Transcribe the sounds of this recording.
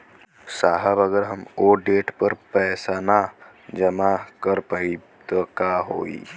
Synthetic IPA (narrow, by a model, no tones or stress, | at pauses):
saːɦəbəɡəɾɦəmoːɖeːʈpəɾpɛːsana | d͡ʒəmakəɾpaːi | t̪okaɦoːḭː